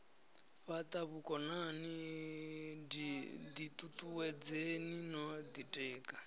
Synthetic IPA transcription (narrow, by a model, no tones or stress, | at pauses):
ɸat̪ʼaβukʼɔnani | did̪it̪ʼut̪ʼuwɛd͡zeninɔd̪itʼɛːkʼa